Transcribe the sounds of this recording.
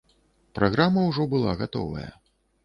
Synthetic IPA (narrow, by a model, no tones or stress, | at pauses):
pɾaɣɾamɐwʐɔbɨlˠa̰ɣat̪ɔ̰vɐ̰jɐ̰